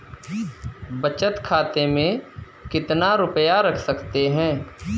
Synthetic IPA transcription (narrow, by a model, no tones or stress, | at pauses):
bɐt͡ʃət̪kʰaːt̪emẽ | kɪt̪naɾʊpjaɾɐkʰsɐkt̪eɦɛ̃ː